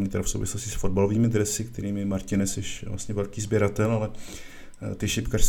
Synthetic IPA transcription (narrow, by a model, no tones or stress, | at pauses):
ɲiːt̪ɛɾafsowvɪslo̞scɪsfo̞d̚balo̞viːmɪd̪ɾɛsɪk̚t̪ʰɛɾiːmɛmaɾcɪnɛsɛʃla̰st̪ɲɛvɛlkiːzbjɛɾat̪ɛlalɛ | t̪ɪʃɪpkar̥s